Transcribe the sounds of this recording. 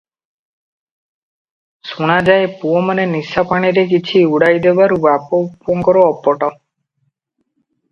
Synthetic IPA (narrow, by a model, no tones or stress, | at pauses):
suɽ̃ad͡ʒaepuomanenisapaɽ̃iɾek̬it͡ʃʰiuɽajd̪ebaɾubapopoŋkɔɾoɔpːɔʈɔ